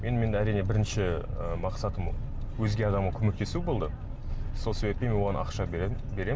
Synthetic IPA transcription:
me̞nme̞næɾijnebɪɾɪnʃɪəmɑqsɑt̪əm | wɵzɡʲe̞ɑd̪ɑmʁɑkʲʰɵme̞k̚t̪e̞subo̞lˠd̪ə | so̞lˠse̞be̞p̚t̪e̞menwo̞ʁɑnʔɑ̰qʃɑbe̞ɾe̞m

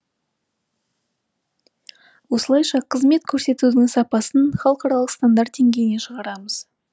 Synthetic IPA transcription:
wo̞səlˠɑjʃɑqʰəzme̞t̪kʲʰɵɾse̞t̪ud̪ɪŋsɑpɑsənχɑlˠqɑɾɑlˠəqst̪and̪ɑɾt̪̚d̪e̞ŋɡʲe̞jɪne̞ʃəʁɑɾɑməz̥

